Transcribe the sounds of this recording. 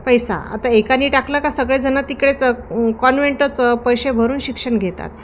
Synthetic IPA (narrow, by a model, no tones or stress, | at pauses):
pəjsa̰a̰t̪aekaniːʈaklakasəɡɭed͡zənat̪ːikɭet͡səkɔnʋeɳʈət͡səpəjɕebʱəɾuːnɕikʂəɳɡʱet̪a̰t̪̚